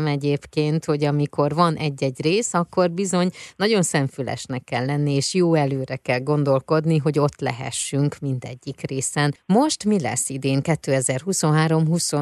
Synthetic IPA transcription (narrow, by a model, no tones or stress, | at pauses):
mɛɟeːpkeːnt̪ho̞ɟɒmiko̞rvɒnʔɛɟːɛɟreːsɒkːo̞rbizo̞ɲnɒɟo̞nsɛɱfylɛ̰ʃnɛkːɛlːɛnːieːʃjoːɛløːɾɛkɛlɡo̞nd̪o̞lko̞d̪niɦo̞ɟo̞t̪lɛ̰ɦɛ̰ʃːyŋkmind̪ɛ̰ɟːikreːsɛnmo̞ʃt̪milɛ̰sːid̪eːŋkɛt̪ːøːɛzɛrɦuso̞nɦaːɾo̞mɦuso